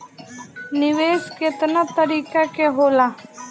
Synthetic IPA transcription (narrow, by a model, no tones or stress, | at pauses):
nɪʋeːsket̪nat̪əɾiːkakeɦoːlaː